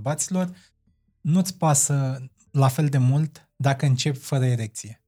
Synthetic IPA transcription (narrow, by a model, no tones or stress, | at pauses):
bat̪silo̞r | nut̪sʲpasə | lafe̞ld̪e̞mult̪ | d̪akəɨnt͡ʃe̞pʲfəɾəeɾe̞k̚t̪sije̞